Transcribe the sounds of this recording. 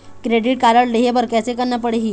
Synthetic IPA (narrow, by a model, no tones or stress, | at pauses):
kɾeɖiʈ̚kaɾəɽleɦebəɾkɛsekəɾnap̬əɽeɦiː